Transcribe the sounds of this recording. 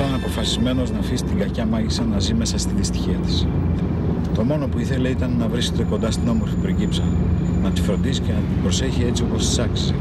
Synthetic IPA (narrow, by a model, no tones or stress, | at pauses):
lɐnɐpo̞fɐsizme̞no̞znɐfisi̥t̪iɡɐcɐmɐʝisɐnɐzime̞sɐst̪iðist̪i̥çiɐt̪i̥s | t̪o̞mo̞no̞puiθe̞le̞it̪ɐnːɐvɾisket̪e̞ko̞nd̪ɐst̪ino̞mo̞ɾfipɾiɟipsɐ | nɐt̪i̥fɾo̞nd̪isi̥cenɐt̪ibɾo̞se̞çie̞t͡sio̞po̞st̪i̥sɐksis